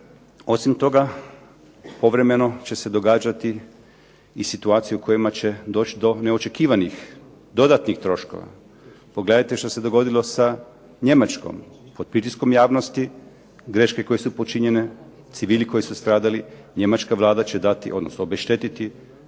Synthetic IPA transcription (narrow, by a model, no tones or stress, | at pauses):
o̞simt̪o̞ɡa | po̞ʋɾe̞me̞no̞t͡ɕe̞se̞d̪o̞ɡaːd͡ʒat̪i | isit̪uaːt̪sijuukʰo̞jimat͡ɕe̞d̪o̞ːt͡ʃid̪o̞ne̞o̞t͡ʃe̞kiːʋanix | d̪o̞d̪at̪nixt̪ɾo̞ʃko̞̰ʋa̰ | po̞ɡle̞d̪ajt̪eʃt̪ose̞d̪o̞ɡo̞d̪ilˠo̞sa | ɲe̞mat͡ʃko̞̰m | po̞d̪̥̚pɾit̪isko̞mjaːʋno̞st̪i | ɡɾe̞ʃke̞ko̞jesupo̞t͡ʃiɲe̞ne̞ | t̪siʋiːliko̞jisust̪ɾaːd̪aliɲe̞mat͡ʃkaʋlˠaːd̪at͡ɕe̞d̪at̪ḭʔo̞d̪nosnoobeʃt̪e̞t̪it̪i